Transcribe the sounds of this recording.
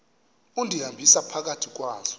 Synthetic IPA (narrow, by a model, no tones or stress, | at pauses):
undʱiɦambʱisapʰak̬atʰik̬waːzɔ̥